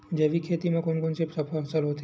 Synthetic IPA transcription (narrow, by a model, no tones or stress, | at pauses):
d͡ʒeʋikʰet̪imãkonkonsepsəpʰalsəlɦot̪ʰ